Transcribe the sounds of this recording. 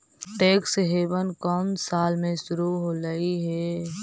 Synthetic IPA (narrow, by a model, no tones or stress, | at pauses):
ʈeːksɦeːbənkɔːnsaːlmẽʃʊɾuɦoɾəiɦɛː